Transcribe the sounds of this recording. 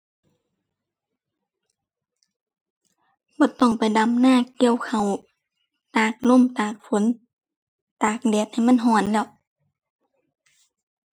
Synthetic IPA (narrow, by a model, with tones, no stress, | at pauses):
bɔː˧˦t̪ɔ˧˩ŋpa˨jda˨˩mnaː˧˥˨ki˧ə˨wkʰa˨˩w | t̪aː˨˩k̚lo˧˥˨mt̪aː˨˩k̚fo˨˦n | t̪aː˨˩k̚dɛː˨˩t̪̚ha˨˩jma˧˥˨nɦɔː˧˩nlɛː˧˩˨w